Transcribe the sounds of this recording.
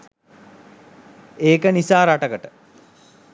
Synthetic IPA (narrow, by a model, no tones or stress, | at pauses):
eːkənisaːɾaʈəkəʈə